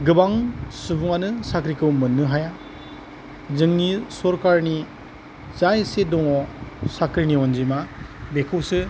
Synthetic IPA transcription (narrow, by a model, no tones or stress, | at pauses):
ɡɯbaŋsubuŋanɯsakɾikʰɯwmɯnːɯɦaja | zɯŋnisɔɾkaɾni | zajsedɔŋɔsakʰɾiniɔnzimabekʰɯwsɯ